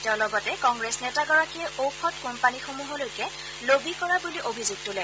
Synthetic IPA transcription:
tɛʊ̃lɔɡɔtɛkɔŋɡɹesnɛtaɡɔɹakiɛʔopʰɔtkompanixomuɦɔlojkɛ | lobikɔɹabuliʔobʱizuɡ̚tʊlɛ

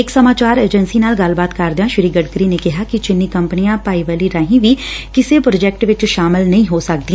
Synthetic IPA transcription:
ɪksəmaːt͡ʃaːɾeːd͡ʒənsiːnaːlɡəlbaːt̪kɐɾd̪ejãːʃɪɾiːɡəɖkəɾiːnekɪɦaːkɪt͡ʃɪnːiːkəmpnijãːpaːiʋaːliːɾaːɦĩːʋiːkɪsepɾoːd͡ʒɛːk̚ʈʋɪt͡ʃʃaːmɪlnəɦĩːɦoːsək̚d̪iɛ̃

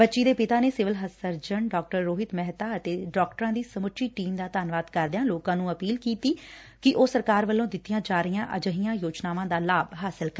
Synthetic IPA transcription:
bətːʃiːd̪eːpɪt̪aːneːsɪʋɪlɦəsəɾd͡ʒəɳɖɔːk̚ʈəɾːoːɦɪt̪mɛɦt̪aːət̪eːɖɔːk̚ʈəɾãːd̪iːsəmʊtʃiːʈiːmd̪aːt̪aːnʋaːd̪kəɾd̪jãːloːkãːnũːəpiːlkiːt̪iː | kɪʔoːsəɾkaːɾʋəlːõːd̪ɪt̪ːijãːd͡ʒaːɾɪjãːʔə̰d͡ʒəɦijãːjoːd͡ʒnaːʋãːd̪aːlaːbɦaːsɪlk

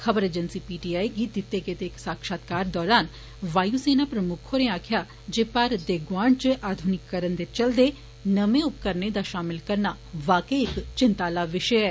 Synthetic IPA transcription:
kʰəbəɾeːd͡ʒənsiːpiːʈiːaːiɡiːd̪ɪt̪ːekeːt̪eːksaːkʃaːt̪kaːɾd̪ɔːɾaːn | ʋaːjuːseːnaːpɾəmʊkʰːoːɾeaːkʰjaː | d͡ʒeːpaɾd̪eːɡʋaːɳt͡ʃəʔaːd̪ʱʊnɪkːəɾənd̪et͡ʃəld̪eː | nəmẽʊpkəɾned̪aːʃaːmɪlkəɾnaː | ʋaːkəiɪkt͡ʃɪnt̪aːlaːʋɪʃəɛː

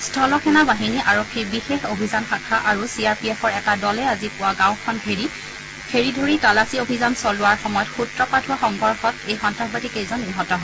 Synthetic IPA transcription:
stʰɔlɔxʰɛnabaɦiniʔaɹokʰːiɹbixexobʱizanxakʰaʔaɹusiaɹpiɛpʰɔɹɛtadɔlɛazipʊwaɡãwkʰɔnkʰeɹi | kʰeɹidʱoɹitalasiobʱizansɔlʊwaɹxɔmɔjɔtxutɹɔpadʰʱʊaxɔŋɡɔɹxɔtejxɔntɹaxbatikejzɔnːiɦɔtɔɦɔɛ

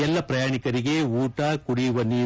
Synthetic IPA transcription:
ɛlːɐpɾɐjaːɳikɐɾiɡe̞uːʈaːkuɽijʋɐnːi

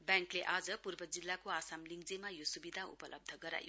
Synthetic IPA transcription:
bjaŋkleʔad͡zʌpurbʌd͡zilːakoasamliŋɡd͡zemajosubid̪ʱaṵpʌlʔʌ̰b̚d̪ʱʌɡʌɾa̰jo̰

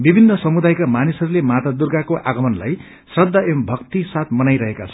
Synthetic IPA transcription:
bibʱinːʌsʌmud̪ajkamanisʌɾulemat̪ad̪urɡakoʔaɡʌmʌnla̰j | srʌd̪ʱːaʔembʱʌkt̪isat̪mʌnajɾʌɦekat͡sʰʌ

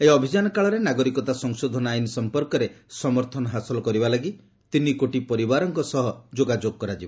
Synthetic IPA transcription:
ejɔbʱid͡ʒanɔkaɭɔɾenaɡɔɾikɔt̪asɔŋsod̪ʱɔnɔajnɔsɔmpɔɾkɔɾesɔmɔɾt̪ʰɔnɔɦasɔlɔkɔɾibalaɡi | t̪inikoʈipɔɾibaɾɔŋkɔsɔɦɔd͡ʒoɡad͡ʒoɡɔkɔɾad͡ʒiba

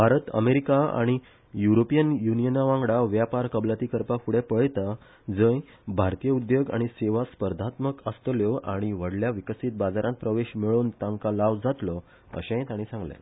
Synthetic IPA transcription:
bʱaɾət̪ə̰meɾikaa̰ɽ̃i | juɾopijənjunijənaʋãŋɡɽaʋjapaɾkəblat̪iːkəɾpafuɽepəɭt̪a | d͡zə̃j | bʱaɾt̪ijəud̪joɡa̰ɽ̃iseʋaspəɾd̪ʱat̪məkəst̪ljɔʔaɽ̃iʋəɽljaʋikəsiːt̪̚bad͡zaɾãnt̪̚pɾəʋeɕmiɭuːnt̪ãŋkalaʋd͡zʱat̪lɔ | ə̰ɕẽt̪aɽ̃ĩsãŋɡlḛ̃

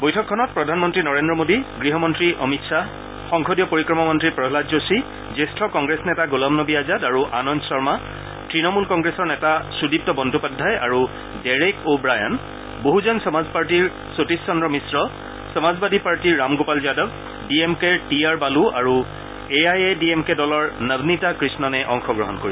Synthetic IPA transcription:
bɔjtʰɔkʰːɔnɔt̚pɹɔdʱanmɔntɹinɔɹendɹɔmodiɡɹiɦɔmɔntɹiʔɔmitsa | xɔŋkʰɔdijɔpoɹikɹɔmɔmɔntɹipɹɔɦladzosi | zestʰɔkɔŋɡɹesnɛtaɡolɔmnɔbiazadaɹuʔanɔnsɔɹma | tɹinɔmulkɔŋɡɹesɔɹnɛtasudip̚tɔbɔndʱupadʱːaja̰ɹu | dɛɹekobɹaja̰n | boɦuzɔnsɔmazpaɹtiɹ | sotisːɔndɹɔmisɹɔ | sɔmazbadʱipaɹtiɹːamɡopalzijadɔb | biemkeɹtiaɹbaluaɹu | eajediemkedɔlɔɹnəbnitakɹisnɔnɛʔɔŋxɔɡɹɔɦɔnkoɹib

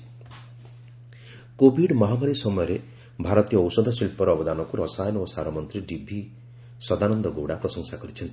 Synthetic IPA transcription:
kobʱiɖmɔɦamaɾisɔmɔjɔɾe | bʱaɾɔt̪ijɔːwsɔd̪ʱɔsilpɔɾɔːbɔd̪anɔkuɾɔsajɔnɔosaɾɔmɔnt̪ɾiɖibʱi | sɔd̪anɔnd̪ɔɡowɽapɾɔsɔŋsakɔɾit͡ʃʰɔnt̪i̥

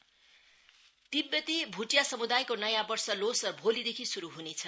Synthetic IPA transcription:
t̪ibjʌt̪ibʱuʈjasʌmud̪ajkonʌjãbʌrsʌlosʌbʱolid̪ekʰisuɾuɦunet͡sʰʌ

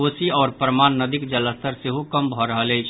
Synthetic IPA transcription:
osiɔːɾpɾəmanːəd̪ikd͡ʒələst̪əɾseɦukəmbʱɔɾəɦələjt͡ʃʰ

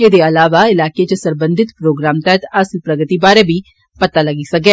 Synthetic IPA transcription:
ed̪eɐlaːʋaɪlaːket͡ʃəsɐɾbə̃nd̪ʱɪt̪pɾoːɡɾaːmt̪ɛt̪ɐslpɾɐɡət̪ibaːɾebʱi | pɐt̪alɐɡisɐk̚ɡɛː

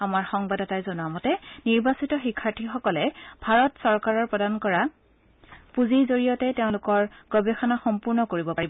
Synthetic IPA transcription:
amaɹxɔŋbadɔtajzɔnuamɔtɛniɹbasitɔxikʰːaɹtʰixɔkɔlɛbʱaɹɔtsɔɹkaɹɔɹpɹɔdankɔɹa | puzizoɹijɔtɛteʊ̃lʊkɔɹɡ̥ɔbɛxɔnaxɔmpuɹnɔkoɹibɔpaibɔ

